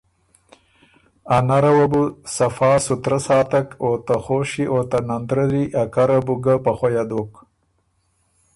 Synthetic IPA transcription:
anaɾawabusafɑːsut̪ɾasɑːt̪akot̪axoːʃiʔoːt̪anand̪ɾəɾiʔakaɾabuɡapaxojad̪oːk

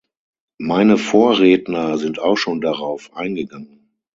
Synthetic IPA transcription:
maɪnəfoːɐʁɛːtnɐzɪntaʊxʃoːndaʁaʊfʔa̰ɪnɡəɡaŋən

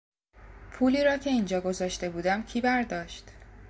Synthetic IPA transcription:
pʰuːliːɾɒːcʰe̞iːnd͡ʒɒːɡo̞zɒːʃt̪e̞buːd̪æmcʰiːbæɾd̪ɒːʃt̪

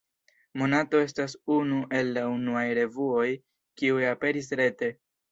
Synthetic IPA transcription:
mo̞nato̞e̞stasunuʔe̞lːaunuajɾe̞vuo̞j | kiujape̞ɾis̬ɾe̞te̞

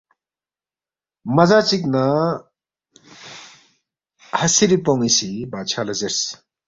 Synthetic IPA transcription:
mɐzat͡ʃik̚na | hɐsiɾipɔŋisibat͡ʃʰalɐzeɾs

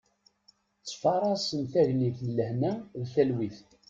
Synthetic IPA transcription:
t͡sːfɑɾˤɑsənt̪æʝniθlːəhnæðθælwiθ

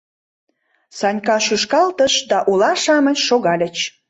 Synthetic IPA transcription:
sɑnʲkɑʃyʃkɑlt̪əʃd̪ɑʔulɑʃɑmə̆nʃoɣɑlʲə̆t͡ɕ

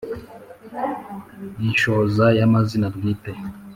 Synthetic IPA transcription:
ninʃozajamazinabɡiːte

